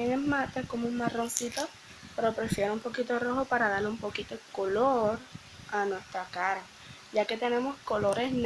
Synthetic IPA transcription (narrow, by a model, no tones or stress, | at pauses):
eŋemat̪ekomuŋmaro̞nsit̪o | peɾopɾe̞fjeɾoumpo̞kit̪oro̞xopaɾaðaɾleumpo̞kit̪okoloɾ | anwe̞st̪ɾakaɾa | ʝake̞t̪e̞nẽ̞mo̞sko̞lo̞ɾe̞sn